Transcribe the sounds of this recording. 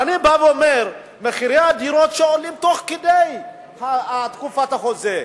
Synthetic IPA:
anibaveomeʁ | meχiɾead̪iɾot̪ʃeolimt̪o̞χked̪ej | haat̪kufat̪haχo̞ze

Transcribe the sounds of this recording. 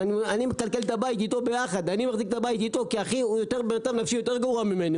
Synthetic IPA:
nianimekalke̞lt̪abait̪it̪o̞be̞jaχad̪animaχzikt̪abait̪it̪o̞kiaχijot̪e̞ʁbenad̪amnafʃijo̞t̪e̞ʁɡavuamime̞ni

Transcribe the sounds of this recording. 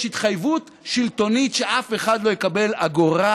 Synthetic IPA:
hit̪χajvut | ʃilto̞nitʃeʔafe̞χadlo̞jekabe̞laɡoʁa

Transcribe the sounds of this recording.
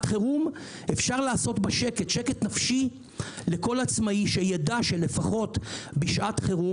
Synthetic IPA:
tχeʁum | e̞fʃaʁlaːso̞tbaʃe̞ke̞tʃeke̞tnafʃi | le̞ko̞lat͡smaiʃejedaʃe̞le̞faχo̞tbiʃʔatχeʁu

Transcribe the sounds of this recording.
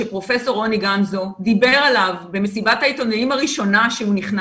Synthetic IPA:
epʁo̞fe̞so̞ʁo̞niɡamzo̞d̪ibe̞ʁalavbe̞mesibat̪hait̪o̞neimaʁiʃo̞naʃeuniχna

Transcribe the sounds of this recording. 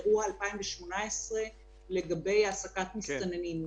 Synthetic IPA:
uaalpaimveʃmo̞naesʁe̞ | le̞ɡabe̞jasakat̪mist̪anenim

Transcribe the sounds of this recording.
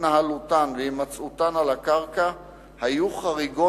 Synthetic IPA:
naɦalutanveimat͡sutanalakaʁka | hajuχaʁiɡo

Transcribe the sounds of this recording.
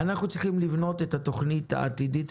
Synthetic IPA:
anaχnut͡sʁiχimlivno̞t̪e̞t̪at̪oχnit̪ha̰ʔa̰t̪idit̪

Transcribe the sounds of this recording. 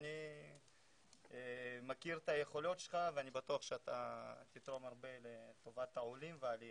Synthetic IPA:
ni | emakiʁt̪aje̞χo̞lo̞tʃe̥lχaveanibat̪uaχʃeat̪at̪it̪ʁo̞maʁbe̞let̪o̞vat̪aulimvealia

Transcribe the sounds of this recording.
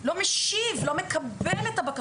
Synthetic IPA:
lo̞meʃivlomekɐbbelet̪abaka

